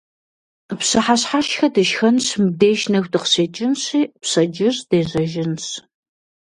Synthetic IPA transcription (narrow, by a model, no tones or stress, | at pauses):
psɨħaɕħaʃxɐdɨʃxɐnɕmbdeːʃnɐxʷdɨqɕeːt͡ʃʼɪnɕiːpsɐd͡ʒɪrd̥eːʑɐʒɪnɕ